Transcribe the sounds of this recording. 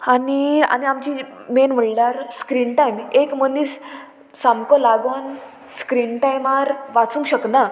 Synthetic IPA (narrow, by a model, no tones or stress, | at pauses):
ania̰niamt͡ɕimenm̤əɳɖaɾskɾinʈajmekm̤əniːs | samkɔlaɡon | skɾinʈajmaɾʋat͡sũŋkɕəkna